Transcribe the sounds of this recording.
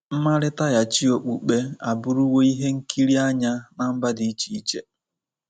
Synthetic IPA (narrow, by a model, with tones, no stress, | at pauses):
m̩˦ma˦ɾɪ˦ta˦ja˨t͡ʃi˦o˨k͡pu˨k͡pe˦a˨bʊ˦ɾu˦wo˦i˦ɦe˦ŋ̩˦kʰi˦ɾi˦a˦ɲa˦na˨m̩˦ba˦di˨i˦t͡ʃi˨i˦t͡ʃe˦